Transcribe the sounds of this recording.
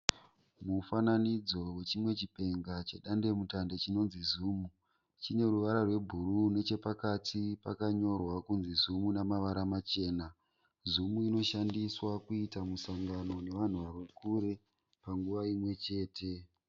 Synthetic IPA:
mufananid͡zo̞we̞t͡ʃimwe̞t͡ʃipe̞ŋɡat͡ʃe̞ɗandemutande̞t͡ʃino̞nzizuːmu | t͡ʃine̞ruʋaɾarwe̞bʱurune̞t͡ʃe̞pakatʰipakaɲo̞rwakunzizumunamaʋaɾamat͡ʃe̞ːna | zumuino̞ʃandiswakuitamusaŋɡano̞ne̞ʋan̤uʋarukuɾe̞ | paŋɡuʋaimwe̞t͡ʃe̞ːtʰe̞

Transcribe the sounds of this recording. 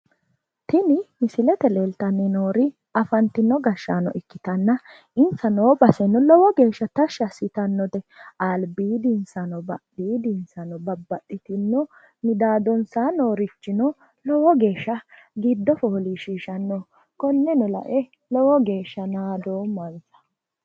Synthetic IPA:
t̪ɪnɪmɪsɪlɛt̪ɛlelt̪ɐnːɛnoːɾɪ | ɐfɐnt̪ɪnːɔɡɐʃːanɔ̰ɪkːɪt̪ɐnːɐ | ɪnsɐnoːbɐsɛnːɔlɔwɔɡe̞ːʃːɐt̪ɐʃɐsɪt̪ɐnːɔd̪ɛalbiːd̪ɪnsɐnɔbɐɗːiːd̪ɪnsɐnɔbɐbːɐɗɪt̪ɪnːɔ | mɪd̪aːd̪ɔnsaːnoːɾɪt͡ʃːɪnɔ | lɔwɔɡe̞ːʃːɐ | ɡɪd̪ːɔfoːliʃiːʃɐnːɔ | kɔnːɛnɔlɐ̰ʔɛ | lɔwɔɡe̞ːʃːɐnaːd̪oːmɐnsɐ̥

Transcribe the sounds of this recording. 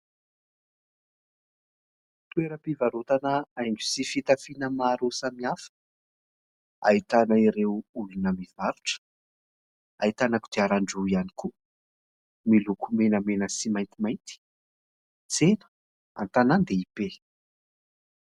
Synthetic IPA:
t̪ueɾəpivaɾot̪anəajŋɡu̥sifit̪afinəmaɾosamiafə̥ | a̰it̪anəiɾewulunəmivaɾuʈ͡ʂə̥ | ait̪anaku̥d̪̥eaɾaɳɖ͡ʐuianiku | milukʰumenəmenəsimajnt̪imajnt̪i̥ | t͡senə̥ | a̰nt̪anand̪eipe

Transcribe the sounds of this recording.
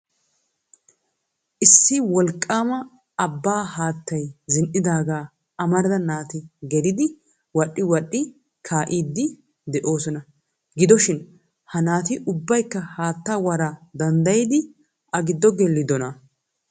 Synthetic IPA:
ʔɪsːɪwɔlkʼːaːmɐ | ɐbːaːhaːt̪ːɐjzɪnʔɪd̪aːɡaː | ʔɐmɐɾd̪ɐnaːt̪ɪɡɛɾɪd̪ɪ | wɐɗːɪwɐɗʼːɪ | kʰaːʔiːd̪ːɪ | d̪ɛʔo̞ːsɔnɐ | ɡɪd̪ɔʃɪn | hɐnaːt̪ɪʔʊbːɐjkːɐhaːt̪ːawɐɾɐd̪ɐnd̪ɐjɪd̪ɪ | ʔɐɡɪd̪ːɔɡɛlːɪd̪ɔnɐ

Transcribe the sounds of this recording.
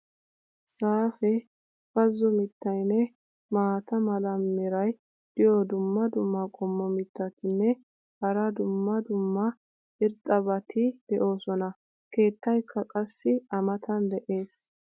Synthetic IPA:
saːfɛ | fɐzːɔmɪt̪ːɐjnɛ | maːt̪ɐmɐlɐmːɪɾɐj | d̪̥ɪjɔd̪ʊmːɐd̪ʊmːɐkʼɔmːɔmɪt̪ːɐt̪ɪnːɛ | hɐɾɐd̪ʊmːɐd̪ʊmːɐ | ɪɾt̪ʼːɐbɐt̪ʰɪd̪̥ɛʔo̞ːsɔnɐ | ke̞ːt̪ːɐjkʰːɐkʼɐsːɪɐmɐt̪ʰɐnd̪ɛʔe̞ːs

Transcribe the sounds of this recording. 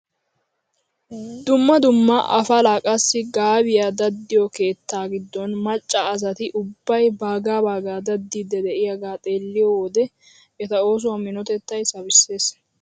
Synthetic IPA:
d̪ʊmːɐd̪ʊmːɐʔɐ̰fɐlaːkʼɐsːɪɡaːbɪjaːd̪ɐd̪ːɪjɔke̞ːt̪ːaːɡɪd̪ːɔnmɐt͡ʃʼːɐːs̬ɐt̪ɪʔʊbːɐjbaːɡaːbaːɡaːd̪ɐd̪ːɪd̪ɛd̪ɛʔɪjɐɡaːt̪ʼe̞ːlːɪjɔd̪ɛ | t̪ɐo̞ːs̬ʊwɐmɪnɔt̪ɛt̪ːɐjsɐbɪsːe̞ːs

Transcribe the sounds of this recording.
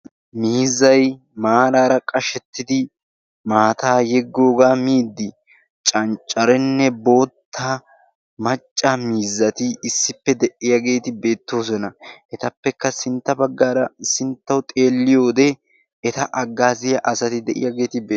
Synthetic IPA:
miːzːɐj | maːɾaːɾɐkʼɐʃɛt̪ːɪd̪ɪ | maːt̪aːjɛɡːo̞ːɡaːmiːd̪ːɪ | t͡ʃʼɐnt͡ʃʼɐɾɛnːɛbo̞ːt̪ʰːaː | mɐt͡ʃʼːaːmiːzːɐt̪ɪɪsːɪpːɛd̪ɛʔɪjɐɡe̞ːt̪ɪbe̞ːt̪ːo̞ːsɛnɐʔɛt̪ɐpːɛkːɐsɪnt̪ːɐbɐɡːaːɾɐsɪnt̪ːɐwʊt̪ʼe̞ːlːɪjo̞ːd̪ɛ | ɛt̪ɐʔɐɡːaːzɪjɐʔɐsɐt̪ɪd̪ɛʔɪ̰jɐɡe̞ːt̪ɪbeː

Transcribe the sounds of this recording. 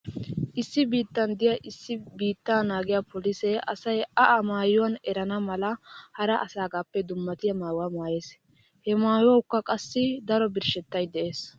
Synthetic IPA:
ʔɪsːɪbiːt̪ːɐnd̪ɪjɐʔɪsːɪbiːt̪ːaːnaːɡɪjapɔlisɛʔɐsɐjɐʔɐmaːjʊwɐnɛɾɐnɐmɐlɐhɐɾɐʔɐsaːɡaːpːɛd̪ʊmːɐt̪ɪjɐmaːjwamaːjeːs | hɛmaːjɐwʊkːɐkʼɐsːɪd̪ɐɾɔbɪɾʃɛt̪ːɐjd̪ɛʔe̞ːs

